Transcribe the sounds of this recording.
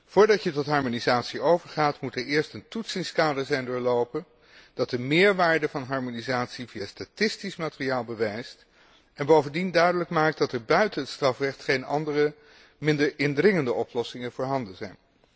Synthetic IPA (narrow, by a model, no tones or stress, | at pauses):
v̥ʊːɹdɑcjətɔtɦɑɹmonizaːtsiowvəɹχaːtmutɛɹɪːɹstəntutsɪŋskaːdəɹzɛjndʊːɹlowpən | d̥ɑt̚dəmɪːɹʋaːɹdəvɑnɦɑɹmonizaːtsivijastatɪstismaːtɪrijaːlˠbəʋejst | ɛnbowvəndindœɥdələkmaːk̚t̚dɑtɛɹbœɥtənɦətstrɑfrɛχtχejnɑ̰ndərə | mɪndəɹɪndrɪŋəndəɔplɔsɪŋəv̥ʊːɹɦɑndənzɛjn